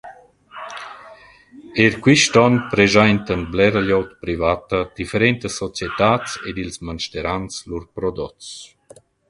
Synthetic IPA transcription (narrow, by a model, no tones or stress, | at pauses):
eɾkwiʃt̪ɔnpɾezajnt̪ənblɛɾəʎɔwt̪pɾivat̪əd̪̥ifeɾɛnt̪əsːɔt͡sjet̪aːt͡sed̪ilsmanʃt̪eɾanslurpɾɔd̪ɔt͡s